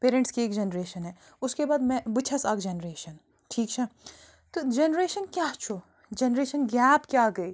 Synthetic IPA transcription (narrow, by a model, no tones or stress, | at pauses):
peːɾẽɳʈskieːkd͡ʒenɾeːʃənɦɛː | ʊskebaːd̪mɛ̃bʊt͡ʃʰɐsaːkd͡ʒenɾeːʃən | ʈʰiːkt͡ʃʰɐ | t̪od͡ʒenɾeːʃənkjaːɦt͡ʃʰo | d͡ʒenɾeːʃənɡaːbkjaːɡɐiː